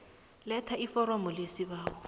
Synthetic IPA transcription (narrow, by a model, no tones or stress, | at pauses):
lɛtʰaifɔɾɔmɔlesiβaːwɔ